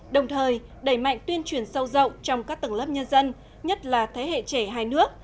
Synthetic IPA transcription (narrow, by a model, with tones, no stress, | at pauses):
ɗə˨˩wŋ͡mt̪ʰəː˨˩j | ɗə˧˩jma̰˧˨jŋ̟t̪wi˧ənt͡ɕwi˧˩ənsə˧wzə̰˧˨wt͡ɕɔ˧wŋ͡mkaː˦˥k̚t̪ə˧˩ŋlə˦˥p̚ɲə˧nzə˧n | ɲə˦˥t̚laː˨˩t̪ʰe˨˦ɦḛ˧˨t͡ɕe˧˩ɦaː˧jnɨ˦˥ək̚